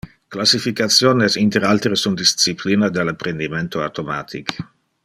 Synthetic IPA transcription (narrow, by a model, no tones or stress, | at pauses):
klasifikat̪sjoːnesint̪eɾalt̪ɾesund̪issipliːnad̪elapɾend̪iment̪oawt̪omaːt̪ʰik